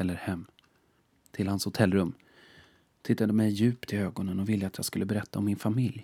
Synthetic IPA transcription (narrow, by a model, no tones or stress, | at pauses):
ɛlːəɾhɛmː | t̪ʰɪlhanshʊt̪ʰɛlːɾɵmː | t̪ʰɪt̪ːad̪əmɛjːʉ̟ːpt̪ʰɪøːɡɔnənɔvɪld̪əat̪jɑːɡskɵlːəbɛɾɛt̪ːaɔmːɪnfamɪlj